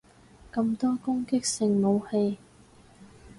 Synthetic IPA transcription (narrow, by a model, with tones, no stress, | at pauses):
kɐ˧mt̪ɔː˥kʊ˥ŋkɪ˥k̚sɪ˧ŋmo˨˧whe˧j